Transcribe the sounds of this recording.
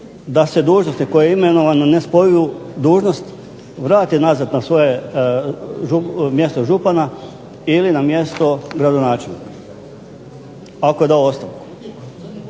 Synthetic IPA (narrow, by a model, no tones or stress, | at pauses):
d̪ase̞d̪uːʒnost̪iko̞jeimeno̞ʋanone̞spojujud̪uːʒno̞st̪ | ʋɾaːt̪inazat̪nasʋo̞je̞ | ʒumje̞st̪oʒupana | ilinamje̞st̪o̞ɡɾad̪onaːt͡ʃelˠnḭka | ako̞ed̪aoost̪aʋku̥